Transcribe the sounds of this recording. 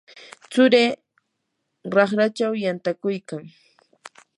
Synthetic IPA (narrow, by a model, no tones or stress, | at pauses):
t͡sʊɾeː | ɾɑχɾat͡ʃawjant̪akʊjkaŋ